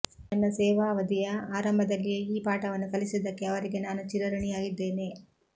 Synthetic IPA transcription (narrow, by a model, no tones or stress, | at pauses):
nɐnːɐsɛːʋaːʋɐd̪ijɐaːɾɐmbʱɐd̪ɐlːijeiːpaːʈɐʋɐnːukɐlisid̪ɐkːeɐʋɐɾiɡenaːnut͡ʃiɾɐɾɐɳijaːɡid̪ːe̞ːne̞